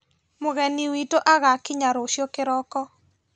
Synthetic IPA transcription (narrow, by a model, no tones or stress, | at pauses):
mʊɣɛniwitoʔaɣakiɲaɾoʃjokɪɾɔkɔ